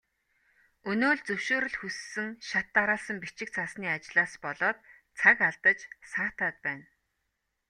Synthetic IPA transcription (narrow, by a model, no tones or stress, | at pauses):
ɵnoːɮt͡sɵwʃoːɾɵ̆ɮxusːɘ̆ŋʃat̪ːaɾaːɮsə̆mpit͡ɕɪ̆k̚t͡sʰasniːat͡ɕɮaːspɔɮɔːt̪̚ | t͡sʰakaɮt̪ə̆t͡ɕsaːt̪aːt̪̚pæːn